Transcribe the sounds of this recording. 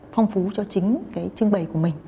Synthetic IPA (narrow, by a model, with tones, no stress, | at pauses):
fa˧wŋ͡mfu˨˦t͡ɕɔ˧t͡ɕï˨˦ŋ̟kaː˨˦jt͡ɕɨ˧əŋɓə˨˩jku˧˩əmï˨˩ŋ̟